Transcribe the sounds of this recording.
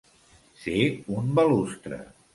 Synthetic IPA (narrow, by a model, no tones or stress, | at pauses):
seumbəlust̪ɾə̰